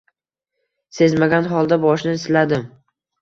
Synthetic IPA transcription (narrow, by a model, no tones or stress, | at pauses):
se̞zmaɡʲanɦɒlˠd̪abɒʃnɪɪslad̪ɪm